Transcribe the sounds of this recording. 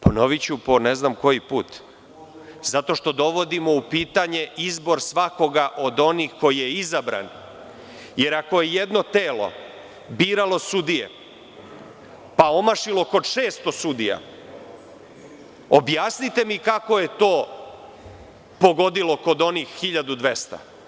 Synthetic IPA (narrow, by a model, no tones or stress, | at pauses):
pono̞ʋit͡ɕupo̞neznamko̞jipuːt̪ | zat̪o̞ʃt̪o̞d̪o̞ʋo̞d̪imo̞upiːt̪aɲe̞izbo̞ɾsʋako̞ɡaʔo̞d̪o̞nixko̞jijeizabɾa̰n | je̞ɾako̞jejed̪no̞t̪eːlo̞̰ | biːɾalo̞sud̪ijḛ | pao̞maʃilo̞ko̞d̪ʂeːst̪o̞sud̪ija̰ | objaːsnit̪e̞mikako̞je̞t̪o̞ː | po̞ɡo̞d̪ilo̞ko̞d̪o̞nixːiʎad̪ud̪ʋest̪a̰